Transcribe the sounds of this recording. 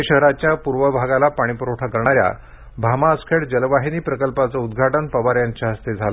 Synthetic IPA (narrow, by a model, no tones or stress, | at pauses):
ɕəɦɾat͡ɕjapuɾʋəbʱaɡalapaɽ̃ipɾoʈʰakəɾɳ̃aɾja̰ | bʱamaəskʰeɽd͡ʑəlʋaɦiniːpɾəkəlpat͡səud̪ɡʱaʈənpəʋaɾjaɲt͡ɕaɦəst̪ed͡zʱalə